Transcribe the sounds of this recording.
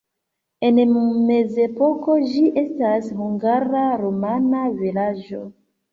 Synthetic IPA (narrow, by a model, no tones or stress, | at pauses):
e̞nme̞ze̞po̞ko̞d͡ʒiʔe̞stashuŋɡaɾaɾomanavilad͡ʒo̞